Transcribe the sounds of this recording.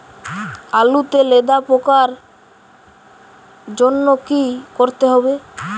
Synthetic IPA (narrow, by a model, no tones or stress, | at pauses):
alut̪eled̪apokaɾ | d͡ʑonːokikoɾt̪eɦɔbe